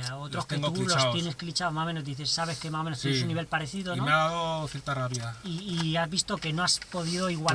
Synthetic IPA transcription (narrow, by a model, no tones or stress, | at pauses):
aot̪ɾokeŋɡ̪ulojeesklit͡ʃaomasomenozd̪iθe̞sːaβe̞skemaomenost̪enesunːiβe̞lpaɾe̞θiðonomeaðaðoθjeɾt̪araβiðaiːazβist̪o̞ke̞no̞aspo̞ðiðo̞iɣwa